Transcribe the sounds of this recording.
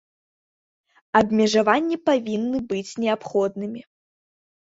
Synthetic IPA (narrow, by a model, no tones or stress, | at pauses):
ɐbmʲɛʐavanʲːipavʲinːɨbɨt͡sʲnʲɛapxɔd̪nɨmʲi